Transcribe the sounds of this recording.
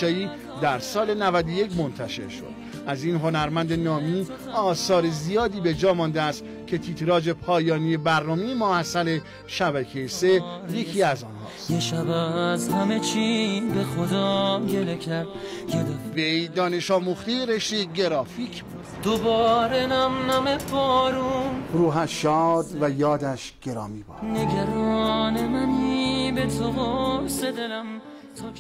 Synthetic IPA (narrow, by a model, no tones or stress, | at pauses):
ɒiː | d̪æɾsɒːle̞nævæd̪oje̞cʰmo̞nt̪ʰæʃe̞̰ɾʃo̰d̪̥ | ʔæziːnɦo̞næɾmænd̪e̞nɒːmi | ɒːsɒːɾe̞zijɒːd̪iːbe̞d͡ʒɒːmɒnd̪eæst̪ | cʲʰe̞t̪ʰiːt̪ʰɾɒːd͡ʒe̞pʰɒːjɒːnijebæɾnɒːmejemohæsːæle̞ | ʃæbæcʰejese̞je̞cʰiːæzɒːnhɒ̰ːst̪eʃæbæzhæmet͡ʃʰinbexod̪ɒːɡe̞lecʰæɾd̪ | jed̪vejd̪ɒːneʃɒːmuχt̪ejɾeʃt̪eɟe̞ɾɒːficʰbud̪̥d̪̥obɒːɾenæmnæmepʰɔɾuɾuːɦæʃɒːd̪væjɒːd̪æʃɟ̥eɾɒːmibɒ̰neɡæɾɒːnemæniːbet̪ʰoɣosed̪e̞læm | t̪ʰɔ